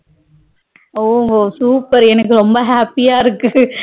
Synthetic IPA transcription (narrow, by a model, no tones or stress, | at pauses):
oːoːsuːpɐɾɛnɐkːɯɾɔmbɐɦaːpɪjaːɪɾɯkːɯ